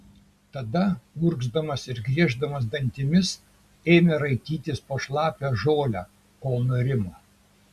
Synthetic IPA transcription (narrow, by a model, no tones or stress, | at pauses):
t̪ɐd̪ɐʊɾɡzd̪ɐmɐsɪɾɡɾʲiɛʒd̪ɐmɐs̬d̪ɐnʲt̪ʲɪmʲɪs | eːmʲeɾɐɪt̪ʲiːt̪ʲɪspoːʃlˠɑːpʲæʒoːlʲæ̰ː | koːlˠnoɾʲɪmoː